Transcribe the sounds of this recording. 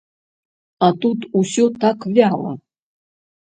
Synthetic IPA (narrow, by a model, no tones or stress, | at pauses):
at̪ut̪usʲot̪ʰakvʲalˠə̰